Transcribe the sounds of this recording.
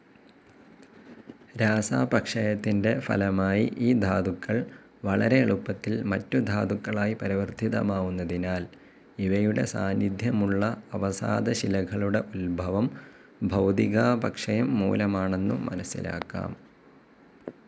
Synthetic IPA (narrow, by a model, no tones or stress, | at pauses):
ɾaːsaːbɐkʂɐjɐt̪ːinde̞fɐ̰lɐmaːjḭʔiːd̪ʱaːd̪ukːɐɭ | ʋɐɭɐɾe̞ːɭupːɐt̪ːilmɐtːud̪ʱaːd̪ukːɐɭaːjipɐɾiʋɐrt̪iðɐ̰maːɣunːɐðinaːl | iʋɐjuɽe̞̰sa̰ːnjid̪ʱjɐmuɭːɐɐʋɐsa̰ːd̪ɐɕilɐɣɐɭuɽe̞ʔulbʱɐʋɐm | bʱɐwd̪iɣaːbɐkʂɐjɐmːṵːlɐmaːɳe̞nːṵmɐ̰nɐsːḭla̰ːkːa̰ːm